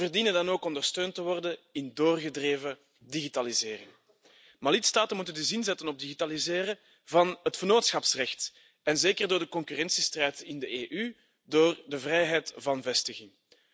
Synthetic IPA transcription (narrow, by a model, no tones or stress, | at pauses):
vərdiːnəndɑnoːkɔndərstøːntəʋɔrdənɪndoːrɣədreːvə | diɣitalizɪːrɪŋ | maːlɪtstaːtənmutəndəzɪnzɛtənɔb̚diɣitalizeːɾə | vɑnɦətfərnoːtsxɑpsrɛxt | ɛnzeːkərdoːrdəkɔŋkyrɛnsistrɛjtɪndəeːʔy | doːrdəvrɛjɦɛjtvɑnvɛstəɣɪŋ